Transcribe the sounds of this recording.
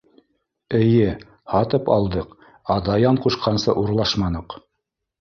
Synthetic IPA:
ɘ̆jɘ | hɑt̪ɤpɑlˠd̪ɤq | ɑd̪ɑjɑɴquʃqɑnsɤʔuɾlˠɑʃmɑnɤq

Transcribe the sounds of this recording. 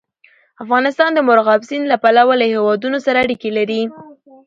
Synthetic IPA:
afɣɑnɪst̪ɑnd̪əmʊɾɣɑbsinlapalawalahewɑd̪unosaɾaːɽikelaɾi

